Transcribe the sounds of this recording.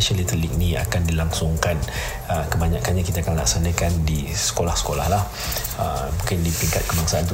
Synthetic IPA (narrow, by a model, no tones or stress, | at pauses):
ʃəlit̪əlik̚nia̰kandilaŋsʊŋkan | əkəbaɲakanɲakit̪akanla̰ksanakandisə̥kolahsə̥kola̰hlah | ə̰bukɪndipiŋkat̪̚kəbaŋsaant̪u